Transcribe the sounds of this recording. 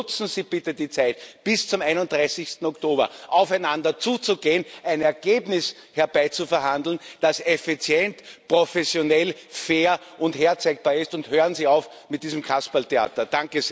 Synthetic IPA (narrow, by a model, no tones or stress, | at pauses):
ʊt͡sn̩ziːb̥ɪtədiːt͡sæɪtb̥ɪst͡sʊmæɪnʊnt̚d̥ʁaɪsɪçst̪n̩ɔktoːbɐ̰ʔɑʊfæɪnandɐt͡suːt͡suɡeːənæɪnɛɐɡ̥eːbnɪs | hɛɐbæɪt͡sufɛɐɦãndl̩nd̥asefit͡sjɛntpʁofɛsjonɛlfeːɐʔʊntheːɐt͡sɛɪk̚b̥aːɐɪstʊnthøːʁənziːaʊfmɪt̚d̥iːzm̩kʰaspaltea̰ːtɐd̥aŋkəs